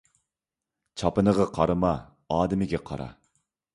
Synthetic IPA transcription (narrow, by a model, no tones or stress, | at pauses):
t͡ʃʰɑpɨnəʁɑqʰɑɾɨmɑ | ɑːd̪ɪmɪɡʲɛqʰɑ̰ɾɑ̰